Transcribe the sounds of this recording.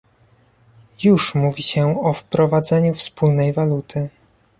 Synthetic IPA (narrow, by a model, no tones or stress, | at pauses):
juʂmuvʲiɕɛɔfpɾɔvad̪zɛɲufspulnɛjvalut̪ʰɘ